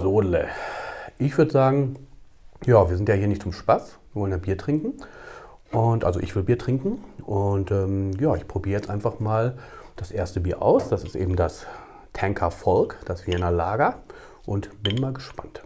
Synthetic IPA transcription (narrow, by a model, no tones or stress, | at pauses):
zoːdlɛ | ʔɪçv̥ʏɐdəzaːɡŋ̩ | jaːviːɐzɪntjaːhiːɐnɪçtt͡sʊmʃpasv̥iːɐvɔlənjaːbiːɐtʁ̥ɪŋkŋ̩ | ʔʊntʔa̰lzo̰ʔɪ̰çv̥ɪlbiːɐtʁ̥ɪŋkŋ̩ʔʊntɛːmjaːɪçpʁ̥obiːʁəjɛt͡stʔaɪnfaχmaːld̥asʔeːɐstəbiːɐʔa̰ʊsd̥asɪ̥stʔḛːbm̩das | tʰɛŋkʰɐfɔlkd̥asv̥iɛnɐlaːɡɐ | ʔʊntb̥ɪnmaːlɡəʃpa̰nt